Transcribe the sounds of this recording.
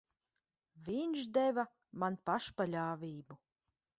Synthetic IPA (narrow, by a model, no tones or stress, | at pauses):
vʲinʃd̪ɛva | manpaʃpalʲaːvʲiːbu